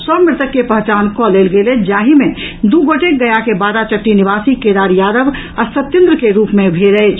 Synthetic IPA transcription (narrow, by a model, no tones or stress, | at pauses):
sɔmɪɾt̪əkːepəɦt͡ʃaːnkɔleːlɡeled͡ʒaːɦimẽd̪uɡoːʈek̚ɡɐjakebaːɾat͡ʃəʈːinɪʋaːsiked̪aːɾjaːd̪əʋ | əɾsət̪jə̃nd̪ɾəkeɾuːpmẽbʱeːɾəet͡ʃʰ